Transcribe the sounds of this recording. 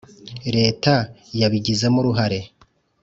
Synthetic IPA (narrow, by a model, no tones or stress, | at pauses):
ɾe̞ːtajaβiɟize̞muɾuɦaɾe̞